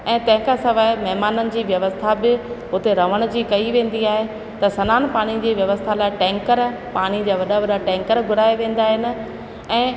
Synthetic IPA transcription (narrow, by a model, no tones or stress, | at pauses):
ɛ̃ːt̪ɐ̃ɦɪ̃kʰasɐʋaːɪmɐɦmaːnənɪ̆d͡ʑiːʋjɐʋəst̪ʰabɪʊt̪eɾɐʋ̤əɽ̃d͡ʑiːkɐiʋẽːn̆d̪iaːɦe | t̪ɐsɐnaːnpaːɽ̃id͡ʑiːʋjɐʋəst̪ʰalaːɪʈɛ̃ːŋkəɾ | paːɽ̃id͡ʑaːʋɐɗaʋɐɗaʈɛ̃ːŋkəɾɡʱʊɽaːeʋẽːn̆d̪aːɦɪnɪ̆ | ɛ̃ː